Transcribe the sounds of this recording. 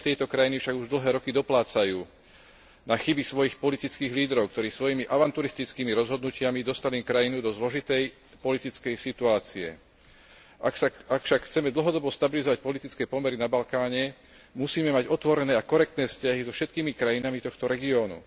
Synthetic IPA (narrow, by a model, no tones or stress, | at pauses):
t̪ɛjt̪ɔkɾajinifʃaɡuʒd̪l̩ɦɛːɾɔkid̪ɔplaːt͡sajuː | naxibisʋɔjixpɔlit̪it͡skiːɣliːd̪ɾɔʊk̚t̪ɔɾiːsʋɔjimiʔaʋant̪uɾist̪it͡skiːmiɾɔzɦɔd̪nucɪamid̪ɔst̪alimkɾajinud̪ɔzlɔʒit̪ɛj | pɔlit̪it͡skɛjsit̪uaːt͡siɛ̰ | ʔaksaakfʃakxt͡sɛmɛd̪l̩ɦɔd̪ɔbɔst̪abilizɔʋac̚pɔlit̪it͡skɛːpɔmɛɾinabalkaːɲɛ | musiːmɛmaɟɔt̪ʋɔɾɛnɛːakɔɾɛk̚t̪nɛːfscaɦizɔfʃɛt̪kiːmikɾajinamit̪ɔxt̪ɔɾɛɡiɔːnṵ